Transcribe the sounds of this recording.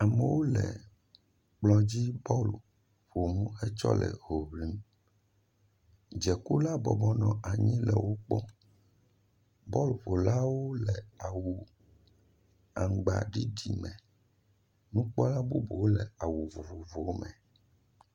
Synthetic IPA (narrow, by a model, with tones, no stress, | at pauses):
a˨mɛ˨wo˦lɛ̰˨ | k͡plɔ̃˨d͡ʑi˦bɔ˦lu˨ | ɸo˨mũ˦ɛ˦t͡ʃɔ̰˦lɛ̰˨ɦo˨βli˦m | d͡ʒɛ˨ku˦la˦bɔ˨bɔ˦nɔ̃˨a˨ɲĩ˦lɛ˨wo˦k͡pɔ˦ | bɔ˦lu˨ɸo˨la˦wo˦lɛ˨a˨wu˨ | a˨ŋɡ͡ba̰˨ɖi˦ɖi˨mɛ̃˨ | nũ˦k͡pɔ˦la˦bu˦bo˨wo˦lɛ˨a˨wu˨vo˨vo˨vo˨wo˦mɛ̃˨